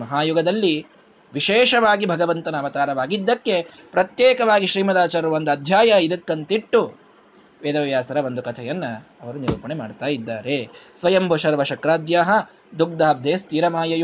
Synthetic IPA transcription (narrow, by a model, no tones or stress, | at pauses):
mɐɦaːjuɡɐd̪ɐlːi | ʋiʃeːʂɐʋaːɡibʱɐɡɐʋɐnt̪ɐnɐʋɐt̪aːɾɐʋaːɡid̪ːɐkːe̞ | pɾɐt̪jeːkɐʋaːɡiʃɾiːmɐd̪aːt͡ʃaːɾɐʋɐnd̪ɐd̪ʱjaːjɐid̪ɐkːɐnt̪iʈːu | ʋeːd̪ɐʋjaːsɐɾɐʋond̪ukɐt̪ʰɛjɐnːɐɐʋɐɾuniɾuːpɐɳemaːɖt̪aːjid̪ːaːɾesʋɐjɐmbʱoʃɐɾʋɐʃɐkɾaːd̪jaːɦɐ | d̪uk̚d̪aːb̚d̪ʱeːst̪iːɾɐmaːjɐj